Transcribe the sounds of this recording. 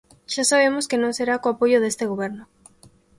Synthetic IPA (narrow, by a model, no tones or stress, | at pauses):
ʃasaβ̞emoskenõŋseɾakoapoʝoðest̪eɣoβ̞eɾno